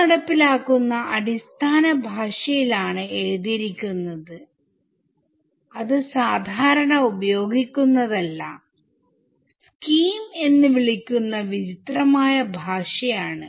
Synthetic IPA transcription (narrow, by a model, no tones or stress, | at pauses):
ɐɽɐpːilaːkːunːɐʔɐɽist̪ʰaːnɐbʱaːʂɐjilaːɳɨe̞ɻuðiɾikʲːunːɐðɨ | ɐðɨsaːd̪ʱaːɾɐɳɐubɐjo̞ːɡikʲːunːɐðɐlːɐ | sskiːme̞nːɨʋiɭikʲːunːɐʋit͡ɕit̪rɐmaːjɐbʱaːʂɐjaːɳɨ